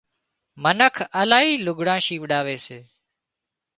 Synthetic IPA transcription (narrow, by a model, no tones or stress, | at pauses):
mənəkʰəlaːɦiːlʊɡɽãːʃiːʋəɗaːʋeːseː